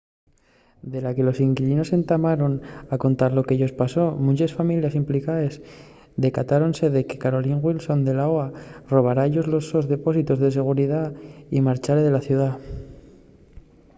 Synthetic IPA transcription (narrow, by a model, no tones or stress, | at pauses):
d̪e̞lake̞lo̞siŋkiʎino̞se̞nt̪amaɾo̞nako̞nt̪aɾlo̞keeʝo̞spaso̞mũɲt͡ʃesfamiljasimplikaes | d̪e̞kat̪aɾo̞nse̞ðe̞ke̞kaɾo̞liŋɣwilso̞nd̪e̞laoaro̞β̞aɾaeʎo̞zlo̞so̞zðe̞po̞sit̪ozðe̞se̞ɣ̞uɾiðaimaɾt͡ʃaɾeðe̞laθjuða